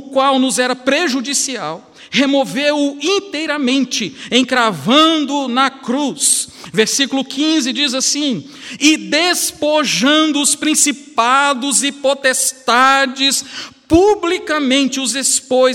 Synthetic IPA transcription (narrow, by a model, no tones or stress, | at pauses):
ʊkwawnʊzɛɾɐpɾeʒud͡ʒisiaw | hemovewʊĩnt̪ejɾɐmẽnt͡ʃɪẽkɾavɐ̃d̪ʊnɐkɾusveɾsikulʊkʰĩzɪd͡ʒizasĩ | ɪd̪espoʒɐ̃nd̪ʊʊspɾĩsipad̪ʊzɪpot̪est̪ad͡ʒɪspublikɐmẽnt͡ʃɪʊzespoj